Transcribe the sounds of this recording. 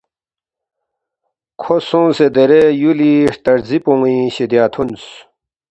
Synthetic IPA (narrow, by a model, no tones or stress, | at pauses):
kʰosũsed̪eɾejuliʂt̪ɐɾzipũŋĩɕid̪jaːt̪ʰuns